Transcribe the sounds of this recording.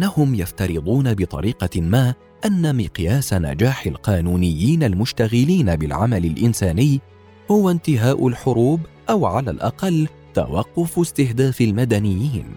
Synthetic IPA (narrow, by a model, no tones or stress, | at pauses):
ʔnːahʊmjaft̪ɑɾɨd̪ˤuːnabɪt̪ˤɑ̰ɾiːqɑmaː | ʔanːamɪqjaːsana̰d͡ʒaːħalqɑːnuːnɪjːiːnalmʊʃt̪aɣɪliːnabɪlʕamalɪlʔɪnsaːnɪjː | hʊwant̪ɪɦaːʔʊlħʊɾuːbʔawʕala̰lʔɑ̰qɑlː | t̪a̰wɑqːʊfst̪ɪhd̪aːfalmad̪anɪjːiːn